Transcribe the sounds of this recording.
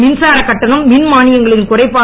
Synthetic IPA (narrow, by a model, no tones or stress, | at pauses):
mɪnsaːɾɐkːɐʈːɐnɐmːɪnmaːnɪjɐŋɡɐɭɪnkʊrɐɪpːaː